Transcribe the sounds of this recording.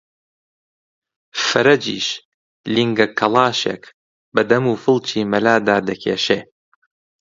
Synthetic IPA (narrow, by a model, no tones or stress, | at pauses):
fɨɾɐd͡ʒḭːʃ | liŋɡɐkʰɐlˠɑːʃḛk | bɐd̪ɐmuːfɨlˠt͡ʃʰiːmɐlaːd̪aːd̪ɐkʰeːʃeː